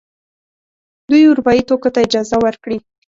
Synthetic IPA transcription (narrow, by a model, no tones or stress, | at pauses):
d̪ujʊɾupɑjit̪okot̪aɪd͡ʒɑzawəɾkɽi